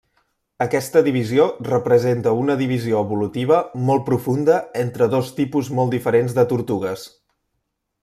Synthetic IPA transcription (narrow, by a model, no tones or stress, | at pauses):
əkɛst̪əðiβiziorəpɾəzent̪əunəðiβ̞izioəβulut̪iβ̞əmɔl̚ˠpɾufund̪əent̪ɾəðost̪ipuzmɔlˠd̪ifəɾenzðət̪uɾt̪uɣəs